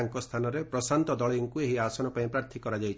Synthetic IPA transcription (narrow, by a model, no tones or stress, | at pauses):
ŋkɔst̪ʰanɔɾepɾɔsant̪ɔd̪ɔɭiiŋkueɦiasɔnɔpaĩpɾaɾt̪ʰikɔɾad͡ʒajt͡ʃʰ